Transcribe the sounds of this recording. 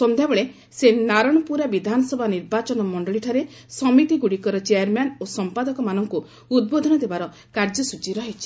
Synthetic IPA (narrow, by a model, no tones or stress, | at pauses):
sɔmd̪ʱjabɔɭe | senaɾɔɽ̃ɔpuɾabid̪ʱanɔsɔbʱaniɾbat͡ʃɔnɔmɔɳɖɔɭiʈʰaɾe | sɔmit̪iɡuɽikɔɾɔt͡ʃeaɾmanosɔmpad̪ɔkɔmanɔŋku | ud̪̚bod̪ʱɔnɔd̪ebaɾɔ | kaɾd͡ʒɔsud͡ʒiɾɔɦit͡ʃʰi̥